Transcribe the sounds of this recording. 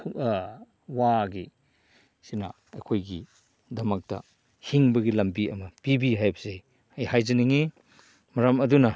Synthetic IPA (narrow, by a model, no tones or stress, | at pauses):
waɡi | sinɐ̰ | ɐjkʰojɡi | dɐmɐk̚tɐ̰ | hiŋbɐɡilɐmbiɐmɐpibiɦajbɐze | ɐjhajzɐniŋi | mɐɾɐmɐdunɐ